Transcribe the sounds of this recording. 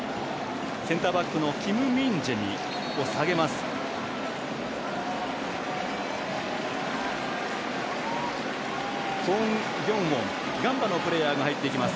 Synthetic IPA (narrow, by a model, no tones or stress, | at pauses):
sẽ̞nt̪aːbakːɯ̟no̞kʲimɯ̟mʲĩɲd͡ʑeɲ̟ḭ | osaɡe̞masɨ̥ | ɡõŋ | jʲõ̞m̃wõ̞ŋ | ɡãmbano̞pɯ̟ɾe̞jaːɡahait̪ːeikʲimasɨ̥